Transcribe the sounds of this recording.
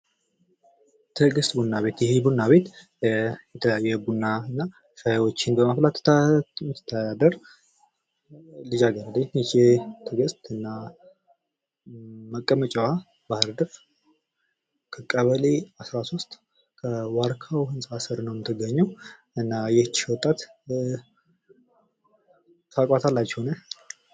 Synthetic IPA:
t̪ʰəɡəst̪bunːaβe̞t̪jɛhebunːaβe̞t̪ | jɛt̪ʰəjajːɛbunːaɨnːa | ʃajwot͡ʃːɪnbəmaflat̪ːt̪mɨt̪ʰːəd̪ad̪əɾ | lɨd͡ʒaɡəɾəd̪ənd͡ʒet̪ʰəɡəst̪ɨnːa | məkʼːəmət͡ʃʼɛwa | bahɾd̪əf | kʰəkʼːəβəleasɾasost̪ʼ | kʰəwaɾkʰawhɨnsʼasɨɾnəwmɨt̪ʰːɨɡːəɲːəw | ɨnːajɛht͡ʃːhwɔt̪ʼːat̪ | t̪ʰakʼat̪ʰalːat͡ʃːɛhonə

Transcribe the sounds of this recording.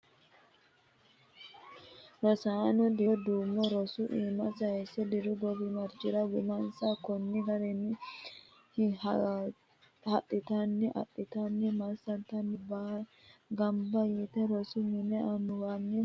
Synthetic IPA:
ɾɔsaːnɔd̪ɪd̪uːmːɔɾɔsʊʔiːmɐsɐjɛsɛd̪ɪɾʊɡɔbɪmɐɾt͡ʃɪɾɐwʊmɐnsakɔnːɪɡɐɾɛnːɪ | h | hɐtʼːɪt̪anːɪʔɐ̰tːɪt̪anːɪmɐɾsɐnt̪ɐnːɪbaː | ɡɐmbɐjit̪ɛɾɔsʊmɪnɛɐnʊwanːɪ

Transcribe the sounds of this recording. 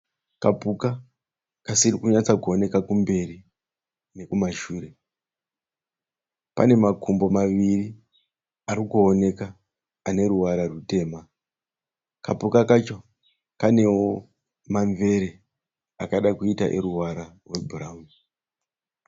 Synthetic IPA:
kapuka | kasirikuɲat͡sakuone̞kakumbe̞ri | ne̞kumaʃuːre̞ | pa̰ne̞makʰumbo̞maʋiri | aɾikuone̞kaː | ne̞ɾuwaɾarute̞ːma | kapukakat͡ʃo̞ | kane̞wo | maɱve̞ɾe̞ | akaɗakuita̰ʔeɾuwaɾarweburaːmu

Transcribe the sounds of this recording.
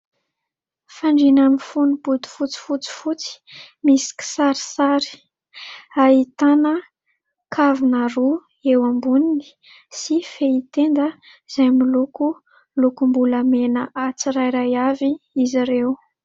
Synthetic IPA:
faɳɖ͡ʐinanifunuput̪u̥fut͡si̥fut͡si̥fut͡si̥misi̥kʲi̥saɾi̥saɾi̥ | ait̪anə | kʰavinaɾu | ewambunini̥ | sifeit̪end̪ə | z̥ajmiluku | lukumbuləmenəʔat͡siɾajɾajaviiziɾew

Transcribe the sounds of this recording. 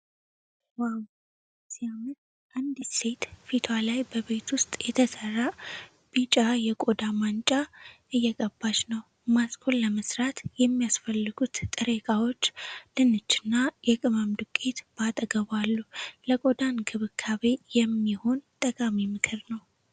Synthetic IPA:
waw | sijamɨt̪ | ʔand̪ise̞t̪fit̪ʰwalajbəβe̞t̪ʰwʊst̪ʼjɛt̪ʰəsərːa | b̥it͡ʃʼajɛkʼo̞d̪amant͡ʃʼaʔɨjːɛkʼəbːat͡ʃnəw | masʼkʰolləməsɾat̪jɛmːijasfəlːɨɡut̪ːʼɨɾekʼawo̞t͡ʃːlɨnɨt͡ʃːɨnːajɛkʼɨməmd̪ɨkʼet̪b̥at̪ʼəɡəβalːuləkʼo̞d̪anɡʰɨβɨkʰːaβe̞jɛmːiho̞nt̪ʼəkʼamimɨkʰɨɾnəw

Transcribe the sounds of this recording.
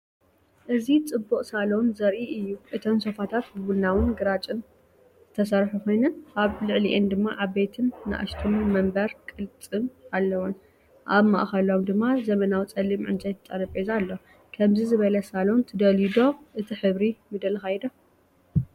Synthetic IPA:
ʔɨzit͡sʼɨbːuqʼsalonzɐɾʔiʔɨjːuʔɨt̪ʰomso̞fat̪ʰat̪bɨβulnawɨnɡɨɾat͡ʃʼɨn | zɨt̪ʰɐsɐɾħukʰo̞jnɐnaβlɨʕliʔend̪ɨmːaʔaβbet̪ʰɨnːɨ̰ʔa̰ʃt̪ʰunmɐmbɐɾkʼɨlt͡sʼɨmalːɐwun | ʔaβma̰ʔxɐlo̞md̪ɨmːazɐmɐnawt͡sʼɐlːimʕɨ̰nt͡ʃʼajt̪ʰt͡s̪ʼɐɾɐbʼezalːo | kʰɐmzizɨβɐlɐsalo̞nt̪ʰɨd̪ɐlid̪o̞ʔɨt̪ʰiħɨβɾimɨd̪ɐlxajd̪ɐ

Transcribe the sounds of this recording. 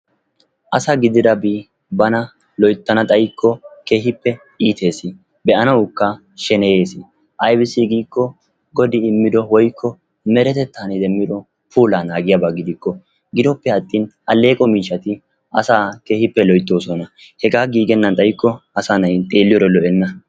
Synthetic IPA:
ʔɐsaɡɪd̪ɪd̪ɐbi | bɐnɐ | lɔjt̪ːɐnɐt̪ʼɐjkʰːɔke̞ːhɪpːɛ | ʔiːt̪ʰe̞ːsɪ | bɛʔɐnɐwʊkːɐ | ʃɛnɛje̞ːsɪ | ʔɐjbɪsɪɡiːkːɔ | ɡɔd̪ɪɪmːɪd̪ɔwɔjkʰːɔ | mɛɾɛt̪ɛt̪ːaːnɪd̪ɛmːɪd̪ɔ | puːlaːnaːɡɪjabaɡɪd̪ɪkːɔ | ɡɪd̪ɔpːɛɐt̪ʼːɪnʔɐlːe̞ːkʼɔmiːʃɐt̪ɪ | ɐ̰saːke̞ːhɪpːɛlɔjt̪ːo̞ːsɔnɐ | hɛɡaːɡiːɡɛnːɐnt̪ʼɐjkːɔɐsɐnɐjt̪ʼe̞ːlːɪjɔɾɛlɔʔɛnːɐ

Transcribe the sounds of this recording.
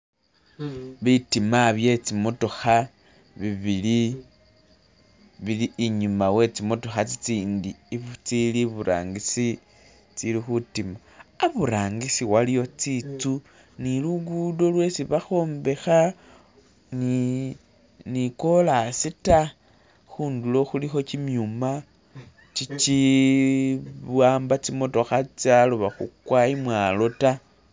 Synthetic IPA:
βitimaβje̞t͡simo̞to̞xa | βiβili | βiliːɲumawe̞t͡simo̞to̞xat͡sit͡siːndiβut͡siliβuɾa̰ːŋɡisi | t͡silixutima | aβuɾaːŋɡisiwalijo̞t͡sit͡su | niluɡudo̞lwe̞siβaxo̞ːmbe̞xa | ni | niko̞lasita | xuːndulo̞xulixo̞t͡ʃimjuma | t͡ʃit͡ʃi | βwaːmbat͡simo̞to̞xat͡saluβaxṵkwaimwalo̞ta

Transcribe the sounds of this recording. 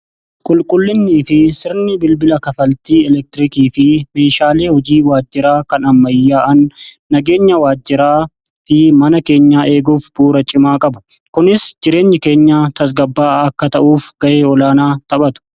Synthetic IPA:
kʼʊlkʼʊlːɪnːiːfɪsɪɾnɪbɪlbɪlɐkɐfɐlt̪iːɛlɛk̚t̪ɪɾɪkiːfɪme̞ːʃaːle̞ːhɔd͡ʒiːwaːd͡ʒːɪɾaːkɐnɐmːɐjːaːʔɐnːɐɡe̞ːɲːɐwaːd͡ʒːɪɾaːt̪ɪmɐnɐke̞ːɲːaːʔe̞ːɡuːfbuːɾɐt͡ʃʼɪmaːkʼɐbʊ̥kʊnɪsd͡ʒɪɾe̞ːɲːɪke̞ːɲːaːt̪ɐs̬ɡɐbːaːɐkːɐt̪ɐʔuːfɡ̥ɐʔeːɔlaːnaːt̪ɐbɐt̪ʊ̥

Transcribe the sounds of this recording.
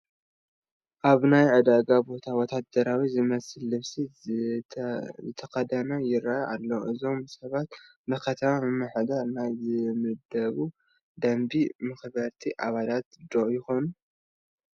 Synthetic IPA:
ʔaβnajʕɨd̪aɡabo̞t̪ʰawɔt̪ʰad̪ɐɾawizɨmɐsɨlːɨβsi | zɨt̪ʰɐxɐd̪ɐnɐjɪɾajʔa̰lːoʔɨzo̞msɐβat̪ | nɨkʰɐt̪ʰɐmamɨmːaħd̪aɾnajzɨmɨd̪ɐβu | d̪ɐmbimɨxβɐɾt̪ʰiʔaβalat̪d̪oʔjɪxo̞nu

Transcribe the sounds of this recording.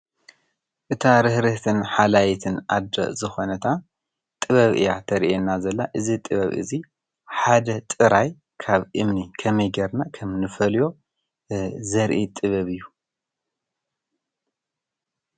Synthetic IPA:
ʔɨt̪ʰaɾɨhɾɨht̪ʰɨnħalajit̪ʰɨna̰d̪ɐ̰zɨxo̞nɐt̪ʰa | t̪ʼɨβɐβɨ̰jat̪ʰɐɾiʔenːazɐlːaʔɨzit̪ʼɨβɐβɨ̰zi | ħad̪ɐt̪ʼɨɾaj | kʰaβʔɨmnikʰɐmɐjɡɐɾnakʰɐmnɨfɐljo̞ | zɐɾʔit̪ʼɨβɐβɨjːu

